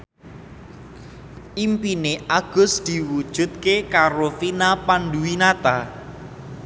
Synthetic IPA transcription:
ʔimpineʔaɡ̥ʊ̤sd̪̥i̤wud̥ʒ̥ṳt̪̚kekaɾofinapanduinat̪a

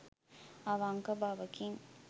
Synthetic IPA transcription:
aʋaŋkɐbaːʋɐkiŋ

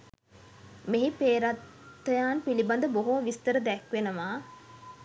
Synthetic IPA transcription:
meɦipeːɾat̪ː | əjaːnpiliband̪əboɦoʋist̪əɾəd̪ɛkʋenəʋaː

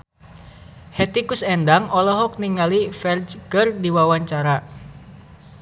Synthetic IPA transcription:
hɛt̪ikusɛndaŋɔlɔɦɔk̚niŋalifɛrd͡ʒkɨrdiwawaɲt͡ʃaɾa

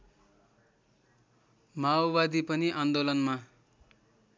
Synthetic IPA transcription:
maobad̪ipʌniʔand̪olʌnma

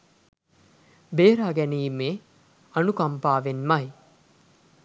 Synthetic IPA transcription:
beːɾaːɡɛniːme | ɐnukɐmpaːʋenmɐj

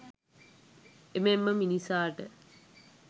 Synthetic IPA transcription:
ememːəminisaːʈə

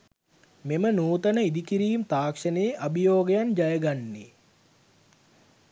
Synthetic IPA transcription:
memənuːt̪ənəid̪ikiɾiːmt̪aːkʂənejːʔabijoːɡejand͡ʒajəɡanːi

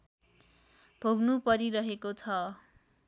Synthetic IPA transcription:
bʱoɡnupʌɾiɾʌɦekot͡sʰʌ

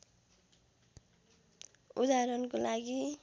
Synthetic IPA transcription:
ud̪aɾʌnkolaɡi

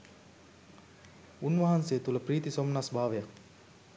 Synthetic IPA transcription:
unʋaɦanseːt̪uləpriːt̪isomnasbʱaːʋejak

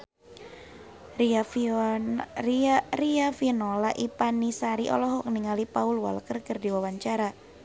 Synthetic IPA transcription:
riafinolaʔipanisaɾiʔɔ̰lɔɦɔkniŋalipaulwa̰lkərkərdiwawaɲt͡ʃaɾa

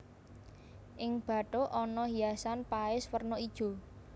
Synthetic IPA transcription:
ʔɪŋb̥ä̤ʈoʔɔnɔɦijasanpaɪswərnɔid̥ʒ̥o̤

